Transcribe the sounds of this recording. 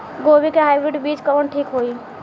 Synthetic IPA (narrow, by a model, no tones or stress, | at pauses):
ɡobikeɦajbɾiɖbid͡ʒkəənʈʰikɦoj